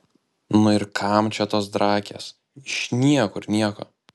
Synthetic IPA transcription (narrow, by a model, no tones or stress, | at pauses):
nʊɪɾkʰɐmt͡ʃʲɛt̪oːs̬d̪ɾɑːkʲḛːs | ɪʃnʲiɛkʊɾnʲiɛko̰ː